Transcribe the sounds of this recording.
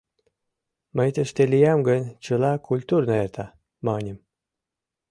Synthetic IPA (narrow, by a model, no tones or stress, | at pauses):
məjt̪əʃt̪elijamɡənʲt͡ɕəlɑkʰulʲt̪urnoert̪ɑ | mɑnʲem